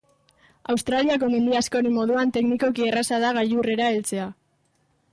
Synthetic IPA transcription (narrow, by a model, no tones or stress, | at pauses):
awst̪ɾaliako̞me̞nd̪iasko̞ɾemːo̞ðuant̪e̞kniko̞kierasaðaɣaʎure̞ɾae̞lt͡se̞a